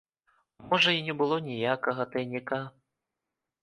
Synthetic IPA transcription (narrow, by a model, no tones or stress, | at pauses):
mɔʐɐinʲɛbɨlˠɔnʲijakɐɣɐt̪ɐjnʲika